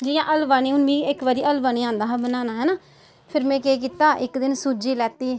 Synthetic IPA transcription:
d͡ʒɪjãːʔəlbaːniːʊnbiːɪkʋəɾiːʔəlbaːñiːãːnd̪aːɦːbənaːnaːɦɛːnaː | pʰɪɾmɛ̃ːkeːk̬iːt̪aːʔɪkd̪ɪnsuːd͡ʒiːlɛːt̪iː

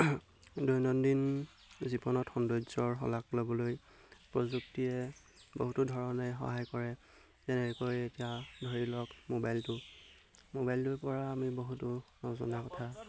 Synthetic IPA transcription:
dɔjnɔndin | zibɔnɔtxɔndɔjzɔɹxɔ̰laklobɔloj | pɹozuktiɛ | boɦutudʱɔɹɔnɛjxɔ̰ɦajkɔɹɛ | zɛnɛɹikojetijadʱoɹilɔkmobajltʊ | mobajltʊɹpɔɹaːmiboɦutʊnɔzɔ̰nakɔtʰa

